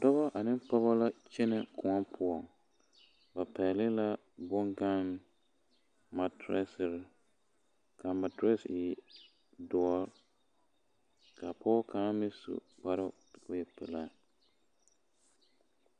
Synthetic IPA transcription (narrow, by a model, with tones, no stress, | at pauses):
dɔ˦bɔ˦ʔa˨nɪ˦mpa˦ba˦la˦t͡ʃɛ˦nɛ˨kʰʊ˨ɔ˦pʰʊ˦ɔ˨ŋ | ba˨pɛ˨lɪ˦la˦ | bɔ˦ŋɡa˦n | ma˨tɾɛ˦sɪ˨ɾɪ˨˦ | ka˨ma˨tɾɛ˦sɪ˨ | dɔ˨ɔ˦ | ka˨pʰɔ˦kʰaː˦mɪ˦sṵ˨k͡pa˦ɾʊ˦tbʊ˦ɛ˨pɛ˨la˦